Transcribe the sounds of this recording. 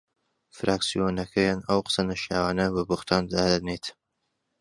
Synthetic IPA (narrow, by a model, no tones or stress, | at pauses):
fɾʔaːksijonɐkʰɐjaːnɐwqə̥sɐnɐʃjaːwaːnɐbɐbʊxt̪ʰaːnd̪aːd̪ɐnet̪